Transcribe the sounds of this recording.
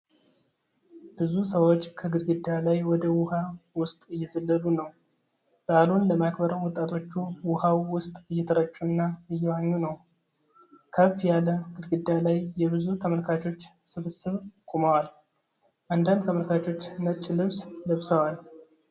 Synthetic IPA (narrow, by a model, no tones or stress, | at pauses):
b̥ɨzusəwo̞t͡ʃːkʰəɡɨd̪ɡɨd̪alajwɔd̪əwʊhawʊst̪ʼɨjːɛzəlːəlunəw | b̥əalunləmakʰbəɾəwɔt̪ʼːat̪ʰo̞t͡ʃːuwʊhawwʊst̪ʼɨjːɛt̪ʰəɾət͡ʃʼːuɨnːaɨjːɛwaɲːunəw | kʰəfjaləɡɨd̪ɡɨd̪ːalajːɛβɨzut̪ʰəməlkʰat͡ʃo̞t͡ʃːsɨβɨsɨβkʼuməwal | ʔand̪and̪t̪ʰəməlkʰat͡ʃo̞t͡ʃːnət͡ʃʼːlɨβsləβsəwal